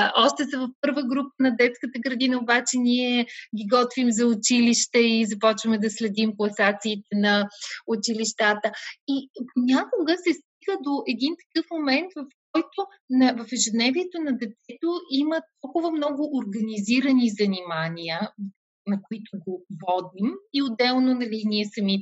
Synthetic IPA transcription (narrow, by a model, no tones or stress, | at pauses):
ɔʃt̪ɛsɐvɐfpɤɾvəɡɾupənɐd̪ɛt̪skət̪əɡɾɐd̪inəobat͡ʃɛniɛɡʲiɡɔt̪vimzɐʊt͡ʃiliʃt̪ɛizɐpɔt͡ʃvəmɛd̪ɐslɛd̪imklˠɐsat̪siːt̪ɛnɐʊt͡ʃiliʃt̪at̪əiponʲakoɡəsɛst̪iɡəd̪oʔɛd̪int̪ɐ̥kɤfmomɛnt̪vɐfkɔjt̪o | nɐvɐfɛʒɛd̪nɛviɛt̪onɐd̪ɛt̪ɛt̪oimət̪ɔlˠkʊvəmnɔɡʊʔoɾɡɐniziɾənizɐnimanʲiə | nɐkoit̪oɡovɔd̪imiod̪ɛlˠnonɐliniɛsɐmi